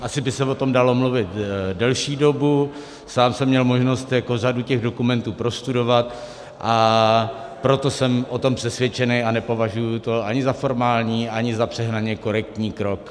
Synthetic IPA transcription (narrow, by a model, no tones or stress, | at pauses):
ʔasɪbɪsɛvo̞t̪o̞mdalo̞mluvɪt̪dɛlʃiːdo̞bu | saːmsɛmːɲɛlmo̞ʒno̞st̪jakoraducɛɣdo̞kumɛnt̪uːpɾost̪udo̞vat̪̚ | ʔa | pɾo̞t̪o̞sɛmʔo̞t̪o̞mpr̥ɛsvjɛt͡ʃɛnejanɛpo̞vaʒujut̪o̞ʔaɲɪzafo̞ɾmaːlɲiːʔaɲɪzapr̝̥ɛɦnaɲɛko̞ɾɛk̚t̪ɲiːkɾo̞k